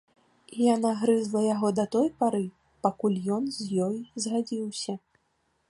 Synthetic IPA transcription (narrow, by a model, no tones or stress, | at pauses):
ijanaɣɾɨzlˠɐjaɣɔd̪ɐt̪ɔjpaɾɨ | pakulʲjɔnzʲjɔjzɣad͡zʲiwsʲɐ